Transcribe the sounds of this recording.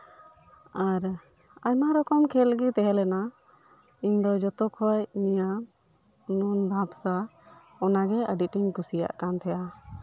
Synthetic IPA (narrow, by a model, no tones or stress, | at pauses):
aɾ | ajmaɾɔkɔmkʰɛlɡit̪ɛɦɛlɛna | iɲd̪ɔd͡ʒɔt̪ɔkʰɔacnija | nund̪ʱapsa | ɔnaɡɛəɖiʈiɲkusija̰ʔkant̪ʰɛja